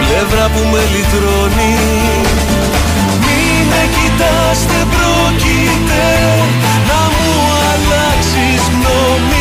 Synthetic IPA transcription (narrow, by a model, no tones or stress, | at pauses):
leðɾɐpumelit̪ɾoni | mi | necit̪ɐ | st̪e̞pɾoci | t̪e | nɐmu | ɐlɐksizno | mi